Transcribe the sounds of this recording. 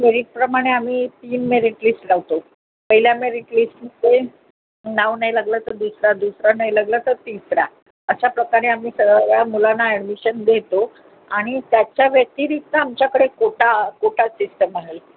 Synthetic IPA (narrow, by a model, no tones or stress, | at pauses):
meɾiʈ̚pɾəmaɽ̃eam̤iːt̪iːnmeɾiʈliːsʈlaʋt̪o | pəɦiljameɾiʈlisʈnit̪e | naʋnajlaɡlat̪əɾd̪usɾad̪usɾanajlaɡlat̪əɾt̪isɾa̰ | əɕapɾəkaɾeamiːsəɡjamulanaeɽmiɕənd̪ʱet̪o | aɽ̃it̪jat͡ɕjaʋjək̚t̪iːɾit̪naamt͡ɕjakəɽekoʈakoʈasisʈəmaɦe